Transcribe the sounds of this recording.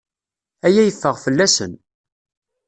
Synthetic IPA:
æjæjəfːəʁfəlːæsə̰n

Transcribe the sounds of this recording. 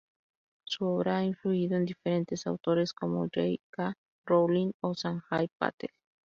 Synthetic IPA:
suoβɾaaiɱfluiðoend̪ifeɾe̞nt̪e̞sawt̪oɾe̞skomo̰d͡ʒḛjka | rowliŋosaŋxajpa̰t̪el

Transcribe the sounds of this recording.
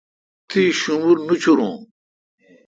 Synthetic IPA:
t̪ʰiɕumuɾnut͡ɕʰuɾũː

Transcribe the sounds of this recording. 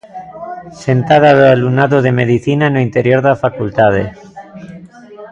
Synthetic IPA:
se̞nt̪aðaðoalunaðoðe̞me̞ðiθinanoint̪e̞ɾjo̞ɾðafakult̪að̞ḛ

